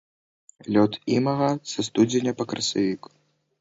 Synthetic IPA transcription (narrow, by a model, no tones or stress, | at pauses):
lʲɔt̪imɐɣɐsɐst̪ud͡zʲɪnʲɐpɐkɾɐsavʲiku̥